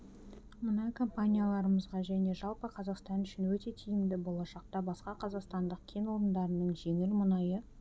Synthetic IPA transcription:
mənɑjkʰo̞mpanʲijalˠɑɾəməzʁɑʒæne̞ʒɑlˠpəqʰɑzɑqst̪ɑnʏʃɪnwɵt̪e̞t̪ʰijɪmd̪ɪbo̞lˠɑʃɑq̚t̪ɑbɑsqɑqʰɑzɑqst̪ɑnd̪əqkʲʰe̞nwo̞ɾənd̪ɑɾənəɴʒe̞ŋɪlmʊnɑjə

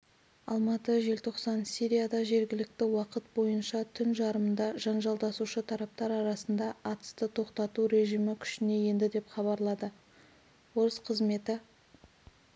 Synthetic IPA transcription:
ɑ̰lˠmɑt̪əʒe̞lt̪ʰo̞qsɑnsijɾʲijad̪ɑʒe̞ɾɡʲɪlɪk̚t̪ɪwɑqət̪̚bo̞jənʃɑt̪ʰʏnʒɑɾəmənd̪ɑʒɑnʒɑlˠd̪ɑsuʃət̪ʰɑɾɑp̚t̪ɑɾɑɾɑsənd̪ɑːt̪ə̥st̪ət̪ʰo̞qt̪ɑt̪uɾe̞ʒijmɪkʲʰʏ̥ʃɪne̞je̞nd̪ɪd̪e̞pχɑβɑɾlˠɑd̪ə | wo̞ɾəsqʰəzme̞t̪ɪ

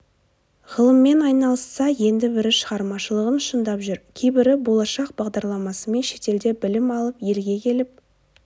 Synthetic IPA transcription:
ʁəlˠəmːe̞nɑjnɑlˠəsːɑje̞nd̪ɪbɪɾɪʃəʁɑɾmɑʃəlˠəʁənʃənd̪ɑpʒʏɾkʲʰejbɪɾɪbo̞lˠɑʃɑq̚bɑʁd̪ɑɾlˠɑmɑsəme̞nʃe̞t̪e̞ld̪e̞bɪlɪmɑlˠəpje̞lɡʲe̞kʲʰe̞lɪp̚

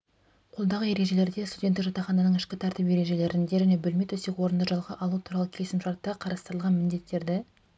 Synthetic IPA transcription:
qʰo̞lˠd̪ɑʁəje̞ɾe̞ʒe̞le̞ɾd̪est̪udʲent̪ːɪkʒɑt̪ɑχɑnɑnəɴɪʃkʲɪt̪ʰɑɾt̪ɪpe̞ɾe̞ʒe̞le̞ɾɪnd̪e̞ʒæne̞bʏlme̞t̪wɵsekʲwo̞ɾənd̪ɑʒɑlˠʁɑʔɑlˠut̪ʰuɾɑlˠəkʲʰesɪmʃɑɾt̪ːɑqʰɑɾɑst̪əɾlˠʁɑnmɪnd̪e̞t̪ːe̞ɾd̪ɪ

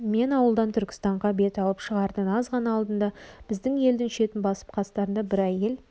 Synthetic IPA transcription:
me̞nɑwəlˠd̪ɑnt̪ʰʏɾkʲɪ̥st̪ɑɴʁɑbe̞t̪ɑlˠəpʃəʁɑɾd̪ənɑzʁɑnɑːlˠd̪ənd̪ɑb̥ɪzd̪ɪŋje̞ld̪ɪŋʃe̞t̪ɪnbɑsə̥p̚qʰɑst̪ɑɾənd̪ɑbɪɾæje̞l

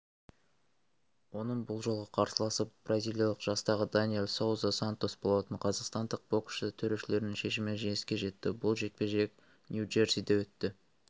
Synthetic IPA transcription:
wo̞nəɴbʊlˠʒo̞lˠʁɑqʰɑɾsəlˠɑsəp̚b̥razʲilˠijɑlˠəqʒ̥ɑst̪ɑʁəd̪anielˠsowzasant̪o̞sbo̞lˠɑt̪əɴqʰɑzɑqst̪ɑnd̪əq̚bo̞kʃt̪ɪt̪ʰɵɾe̞ʃɪle̞ɾɪnɪŋʃe̞ʃɪmɪnʒejɪskʲe̞ʒe̞t̪ːɪbʊlˠʒe̞k̪̚pʲe̞ʒe̞k̚ | nʲjuʒe̞ɾsid̪ewɵt̪ːɪ

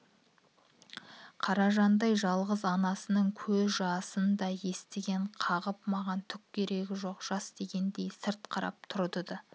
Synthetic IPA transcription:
qʰɑɾɑʒɑnd̪ɑjʒɑlˠʁəzɑnɑsənəɴkʲʰɵzʒɑsənd̪ɑje̞st̪ɪɡʲe̞ɴqʰɑʁəp̚mɑʁɑnt̪ʰʏkʲkʲʰːe̞ɾe̞ɡʲɪʒo̞qʒ̥ɑsd̪e̞ɡʲe̞nd̪e̞jsɪɾt̪qʰɑɾɑ̰p̚t̪ʰʊɾd̪əd̪ə

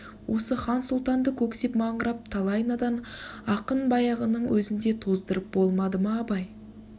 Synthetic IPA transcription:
wʔo̞səχɑnsulˠt̪ɑnd̪əkʲʰɵksepmɑɴəɾɑp̚t̪ʰalˠɑjnad̪ɑnɑqənbɑjɑʁənəɴwʔɵzɪnd̪e̞t̪ʰo̞zd̪əɾəp̚bo̞lˠmɑd̪əmɑːbɑj

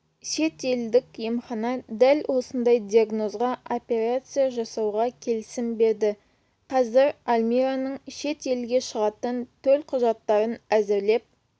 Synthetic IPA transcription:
ʃe̞t̪e̞ld̪ɪkʲje̞mχɑnɑd̪ælwʔo̞sənd̪ɑjd̪iaɡno̞zʁɑopʲe̞ɾat̪sɨjaʒɑsɑwʁɑkʲʰe̞lɪsɪmbe̞ɾd̪ɪ | qʰɑzɪɾalʲmiɾanəɴʃe̞t̪e̞lɡʲe̞ʃəʁɑt̪ənt̪ʰɵlqʰʊʒɑt̪ːɑɾənæzɪɾle̞p̚

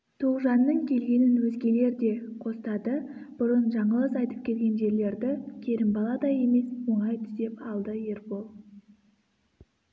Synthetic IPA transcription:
t̪ʰoʁʒɑnːəɴkʲʰe̞lɡʲe̞nɪnwɵzɡʲe̞le̞ɾd̪e̞qʰo̞sət̪ɑd̪əb̥ʊɾənʒɑɴəlˠəsɑjt̪əp̚kʲʰe̞lʲɡʲe̞nʒe̞ɾle̞ɾd̪ɪkʲʰe̞ɾɪmbɑlˠɑd̪ɑje̞me̞swo̞ɴɑjt̪ʰʏ̥z̥d̪e̞pɑlˠd̪əje̞ɾpolˠ

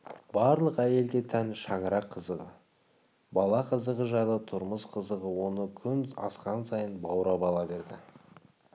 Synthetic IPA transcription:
b̥ɑɾlˠəqæje̞ld̪e̞t̪ʰænʃɑɴəɾɑqʰːəzəʁə̰ | bɑlˠɑqʰəzəʁəʒɑjlˠət̪ʰʊɾməsqʰəzəʁəwo̞nəkʲʰʏnɑ̰sqɑnsɑjənbɑwɾɑbɑlˠɑbe̞ɾd̪ɪ

